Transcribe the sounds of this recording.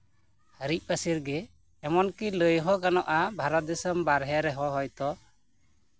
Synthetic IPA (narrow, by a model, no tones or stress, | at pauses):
həɾic̚ˀpəsiɾɡɛː | mɔnkiləjɦɔkanɔʔabʱaɾɔt̪̚d̪ɛsəmbaɾɦɛɾɛɦɔ̃ɦɔjt̪ɔ